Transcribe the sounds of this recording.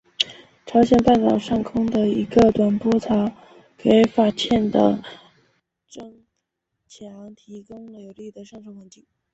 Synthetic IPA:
ʈ͡ʂʰɑ˧˥ʊɕjɛ˨˩npa˥˩nt̪ɑ˨˩ʊʂɑ˥˩ŋkʰʊ˥ŋd̪ə˨i˧˥ɡə˧t̪wa˨˩npɔ˥t͡sʰɑ˧˥ʊ | ke˧˥ɪfa˥˩t͡ɕʰjɛ˥˩nd̪ə̰˩ | ʈ͡ʂɤ˥˩ŋ | t͡ɕʰjɛɑ˨˧˥ŋt̪ʰi˧˥kʊ˥ŋlə˨jo˨˩ʊli˥˩d̪ə˩ʂŋʈ͡ʂʰo˥wə˧˥nt͡ɕi˥˩ŋ

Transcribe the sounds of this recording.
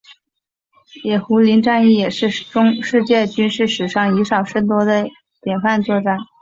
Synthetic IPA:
jɛ˨˩xu˧˥li˧˥nʈ͡ʂa˥˧ni˥˩jɛ˨˩ʂɻ̩˥˩ʈ͡ʂʊ˥ŋʂɻ̩˥˧t͡ɕjɛ˥˩t͡ɕy˥nʂɻ̩˥˩ʂɻ̩˨˩ʂɑ˥˩ŋi˧˥ʂɑ˨˩ʊʂə˥nt̪wɔ˧˥d̪ə˨ | t̪jɛ˨˩nfa˥˧nt͡swɔ˥˧ʈ͡ʂa˥˩n

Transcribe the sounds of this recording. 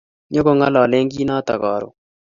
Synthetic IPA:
ɲo˦ko˦ŋa˦lɔ˨lɪ˦ŋɡi˦nɔ˦t̪a˨kɔ̰˨ɾʊ̰˨

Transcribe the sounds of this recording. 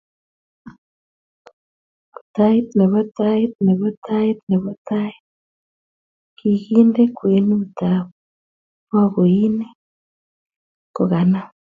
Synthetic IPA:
u̥ta˦itne˨βɔ˦ta˦i˦t̪ne˨βɔ˦ta˦i˦t̪ne˨βɔ˦ta˦it̚ | ki˨ɣi˦nde˦kwe˨nu˦u˨taβu | mwa˦ɣo˨i˦ne˦ | ko˨ɣa˨na˦

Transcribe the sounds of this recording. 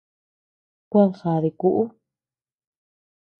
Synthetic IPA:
kʷa˦˧ŋxa˨ði˨ku˧ʔu˦

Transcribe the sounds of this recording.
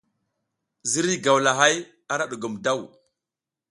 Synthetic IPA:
zi˦ɾi˦ɡa˨wla˨ɦa˦j | a˦ɾa˦ɗu˨ɡu˨mda˦˨w

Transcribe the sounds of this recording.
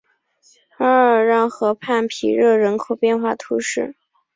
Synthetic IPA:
ə˧˥ə˨˩ɻɑ˥˩ŋxɤ˧˥pʰa˥˩npʰḭ˨˩ɻɤ˥˩ɻə˧˥nkʰo˨˩ʊpjɛ˥˧nxwa˥˩t̪ʰu˧˥ʂɻ̩˥˩

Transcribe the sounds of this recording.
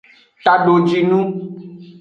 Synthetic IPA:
t̪a˨ɖo˨d͡ʒi˨nũ˦

